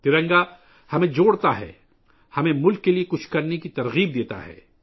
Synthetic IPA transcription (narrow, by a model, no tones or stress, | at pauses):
t̪ɪɾə̃ŋɡa | hɐmẽd͡ʒoːɽt̪aɦɛ̰ː | hɐmẽmʊlkːeliekʊt͡ʃʰkɐɾnekit̪ɐɾɣiːb̚d̪eːt̪a̰ɦɛ̰ː